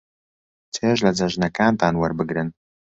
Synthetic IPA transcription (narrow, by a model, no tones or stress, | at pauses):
t͡sʰeːʒlad͡zaʒnakaːnt̪aːnwɐrbɨɡɾɨn